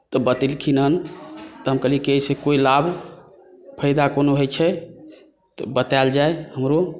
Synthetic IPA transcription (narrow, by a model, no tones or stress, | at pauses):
t̪ɔbət̪ilkʰinɦənt̪ɔɦəmkəlikesekoilab | pʰəɪd̪akonoɦojt͡ʃʰɛ | t̪ɔbət̪ald͡ʒaeɦəmɾo